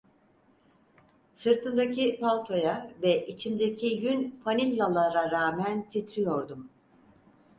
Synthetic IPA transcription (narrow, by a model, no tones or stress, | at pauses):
sɯɾt̪ʰɯnd̪acʰipalˠt̪ʰo̞javɛʔit͡ʃʰimd̪ecʰijynfanilʲːalˠaɾaɾaːmænt̪ʰit̪ɾijo̞ɾd̪um